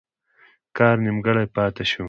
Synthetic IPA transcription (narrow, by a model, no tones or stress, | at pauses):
kɑːɾnimɡɐɽajpɑːt̪eʃu